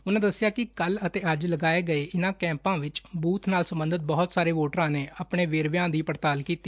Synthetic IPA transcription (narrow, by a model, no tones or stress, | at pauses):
ʊnãːd̪əsːɪjaːkɪkələt̪eːəd͡ʒləɡaːeːɡəeːʔɪnãːkɛ̃ːmpãːʋɪt͡ʃbuːt̪ʰnaːlsəmbənd̪ət̪̚bɔɦɔt̪saːɾeːʋoːʈɾãːneːʔaːpɳeːʋeːɾʋjãːd̪iːpəɾt̪aːlkiːt̪ːiː